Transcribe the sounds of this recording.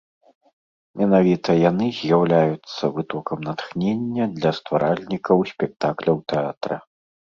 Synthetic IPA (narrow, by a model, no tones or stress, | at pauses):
mʲɛnavʲit̪ɐjanɨzʲjawlʲajut̪sːɐvɨt̪ɔkɐmnɐt̪xnʲenʲːɐd̪lʲɐst̪vaɾʔalʲnʲikɐwsʲpʲɛk̚t̪aklʲɐwt̪ɛat̪ɾɐ̰